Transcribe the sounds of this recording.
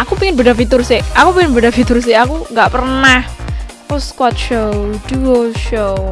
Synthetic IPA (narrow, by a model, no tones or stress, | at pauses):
ʔakupiŋɪnbadafit̪ʊrseʔʔakupiŋɪnbədafit̪ʊrs̬ɪakuŋɡaʔpərnah | ʊskwat̪̚ʃowd̥uoʃow